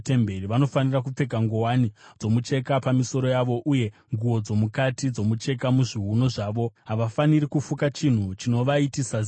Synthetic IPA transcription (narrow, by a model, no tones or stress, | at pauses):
temberiʋano̞fanirak̬up͡fe̞ɡʱaŋɡowanid͡zo̞mut͡ʃe̞kapamiso̞ɾo̞jaʋo̞ʔuje̞ŋɡuo̞d͡zo̞mukatid͡zo̞mut͡ʃe̞kamuʐiɦuno̞ʐaːʋo̞ɦaʋafaniɾikufukat͡ʃin̤ut͡ʃino̞ʋaitisa